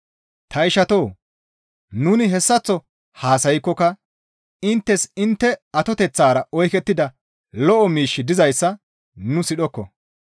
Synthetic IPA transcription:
t̪ɐɪʃɐt̪oː | nʊnɪɦɛsːɐt͡sːɔ | haːsɐjɪkːɔkɐ | ɪnt̪ːɛsɪnt̪ːɛɐt̪ɔt̪ɛt͡sːaːɾɐɔjkɛt̪ːɪd̪ɐ | lɔʔɔmiːʃːɪd̪ɪzɐjsːɐ | nʊsɪɗɔkːɔ̰

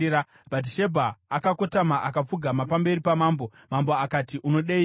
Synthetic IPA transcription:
a | bʱat̬iʃebʱaːkakotamaʔakap͡fuɡʱamapambe̞ɾipamaːmbo̞ | mambo̞akatiʔuno̞ɗei

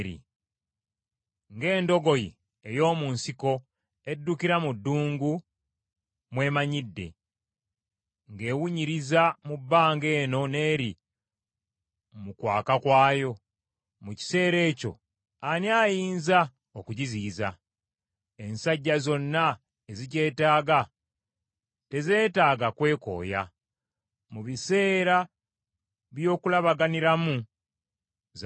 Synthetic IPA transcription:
ɾḭ | ŋɡe̞ːndo̞ɡo̞ji | ejo̞ːmunsiko̞ | e̞dːukiɾamudːuːŋɡu | mwe̞ːmaɲidːe̞̰ | ŋɡe̞ːwuɲiɾizamubːaːŋɡe̞ːno̞ne̞ːɾi | mukwa̰ːkakwaːjo̞ | muci̥se̞ːɾe̞ːco̞̰ | aniaːjiːnza | okuɟiziːza | e̞nsaɟːazo̞nːa | ezice̞ːtaːɡa | te̞ze̞ːtaːɡakwe̞ːko̞̰ːja̰ | muβise̞ːɾa | βjo̞ːkulaβaɡaniɾamu

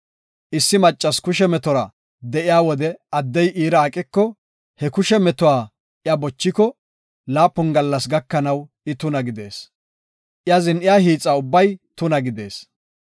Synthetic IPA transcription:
ʔɪsːɪmɐt͡ʃʼːɐskʊʃɛmɛt̪ɔɾɐ | d̪ɛʔɪjaːwɔd̪ɛɐd̪ːɛjʔiːɾɐːkʼɪkːɔ | hɛkʊʃɛmɛt̪ʊwaː | ʔɪɐbɔt͡ʃːɪkɔ | laːpːʊnɡɐlːɐsɡɐkːɐnɐw | ɪt̪ʊnɐɡɪd̪e̞̰ːs | ʔɪazɪnʔɪjaɦiːt͡sʼːaʊbːɐjt̪ʊnɐɡɪd̪e̞ːs

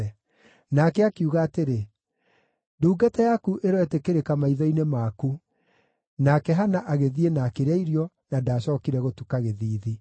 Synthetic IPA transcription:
ɛ | nakɛakiuɣaːteɾe | duːɡatɛjakuʔeɾɔɛtekeɾekamaiðɔinemaku | nakɛɦanaʔaɣeðienaːkeɾeaiɾjɔ | nadaːɕɔːkiɾɛɣotukaɣeðiːði

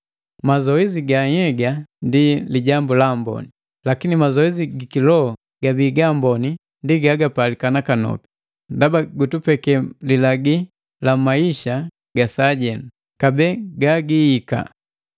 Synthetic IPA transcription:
mazɔɛziɡaɲɛɡandiliɟambulambɔ̰ni | lakinimazɔɛziɡikilɔɔ | ɡ̥abiɡambɔni | ndiɡaɡapalikanakanɔ̰pi̥ | ndabaɡutupɛkɛlilaɡi | lamaiʃa | ɡ̥asaːɟɛnu | kabɛːɡaɡiika̰

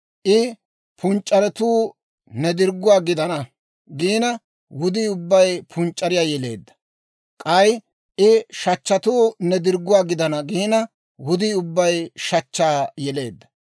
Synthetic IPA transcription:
ʔɪ | pʰʊnt͡ʃʼːɐɾɛt̪uː | nɛd̪ɪɾɡːʊwaːɡɪd̪ɐnɐ | ɡiːnɐ | wʊd̪iːʊbːɐjpʰʊnt͡ʃʼːɐɾɪjaːjɛle̞̰ːd̪ːɐ̥ | kʼɐj | ʔɪʃɐt͡ʃːɐt̪uːnɛd̪ɪɾɡːʊwaːɡɪd̪ɐnɐɡiːnɐ | wʊd̪iːʊbːɐjʃɐt͡ʃːaːjɛle̞̰ːd̪ːɐ̥

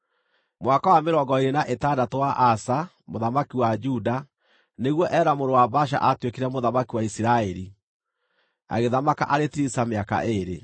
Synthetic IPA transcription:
mwakawameɾɔɡɔeɾenaʔetaːdatowaʔasa | moðamakiwad͡ʒuda | neɣwɔʔɛɾamoɾowabaʃ̬a̰ʔatwekeɾɛmoðamakiwaisiɾaɛɾi | a̰ɣeðamaka̰ʔaɾetiɾisameaka̰ʔeɾḛ

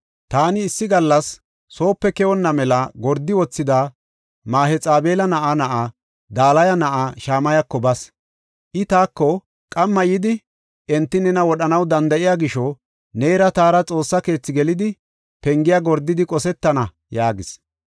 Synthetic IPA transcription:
t̪aːnɪːsːɪɡɐlːɐsː | o̞ːpːɛkɛwɔnːɐmɛlɐɡɔɾd̪ːɪwɔt͡sːɪd̪a | maːhɛt͡sʼaːbe̞ːlɐnɐʔanɐʔa | d̪aːlɐjɐnɐʔaʃaːmɐjɐkːɔbɐs | ʔɪt̪aːkːɔ | kʼɐmːɐjɪd̪ɪ | ʔɛnt̪ːɪnɛnɐwɔɗɐnɐwd̪ɐnd̪ɐʔɪjaːɡɪʃɔ | neːɾɐt̪aːɾɐt͡sʼo̞ːsːɐke̞ːt͡sːɪɡɛlɪd̪ɪ | pɛŋɡɪjaɡɔɾd̪ːɪd̪ɪkʼɔsɛt̪ːɐnɐ | jaːɡɪs

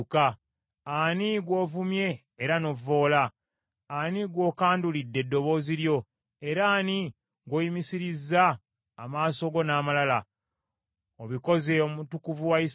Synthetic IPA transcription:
kaː | niɡwo̞ːvumje̞ː | ɾano̞vo̞ːla | aniɡwo̞ːkaːndulidːe̞dːo̞βo̞ːziɾjo̞ | e̞ɾaːni | ŋɡojimisiɾizːaː | maːso̞ɡo̞naːmalala | oβiko̞ze̞omutukuvuwais

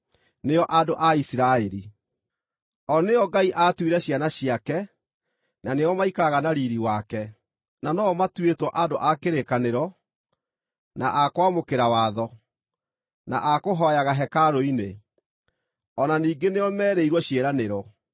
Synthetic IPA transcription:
neɔʔadoʔaisiɾaɛɾi | ɔneɔɡaiʔatwiɾɛɕjanaɕiakɛ | naneɔmaikaɣanaɾiɾiwakɛ | nanɔmatwetwɔʔadoʔakeɾekaneɾɔ | naʔakwamokeɾawaːðɔ | naʔakoɦɔjaɣaɦɛkaɾoine | ɔnaniːɡeneɔmɛːɾeiɾwɔɕeɾaneɾɔ

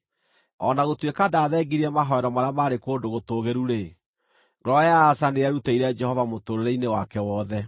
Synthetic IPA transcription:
ɔnaɣotwekadaːðɛːɡiɾiɛmaɦɔɛɾɔmaɾeamaɾekoːndoɣotoɣeɾuɾe | ɡɾɔjaːsaneaɾuteiɾɛd͡ʒɛhɔvamotoɾeɾeinewakɛwɔðɛ

